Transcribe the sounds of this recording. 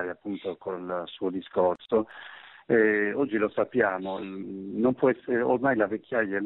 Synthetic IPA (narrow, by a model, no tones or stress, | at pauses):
ɾjapːunt̪okʰolsuːod̪iskorso | ɛɔd͡ʒːilosapːjaːmonompwɔɛsːeɾeo̰rmajlavekːjajːa